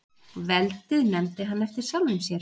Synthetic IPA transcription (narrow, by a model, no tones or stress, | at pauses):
vɛlt̪ɪðnɛmt̪ɪɦanːɛft̪ɪɾ̥salvʏmsjɛɾ